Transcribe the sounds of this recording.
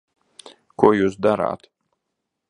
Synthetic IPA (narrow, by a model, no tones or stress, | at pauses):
kuɔjuːs̬d̪aɾa̰ːt̪